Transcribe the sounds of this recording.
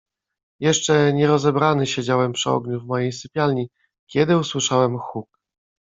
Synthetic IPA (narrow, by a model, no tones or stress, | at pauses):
jɛʂt͡ʂɛɲɛɾɔzɛbɾanɘɕed͡ʑawɛmpʂɘɔ̰ɡɲuvmɔjejsɘpʲjalɲi | kʲɛd̪ɘuswɘʂawɛmxuk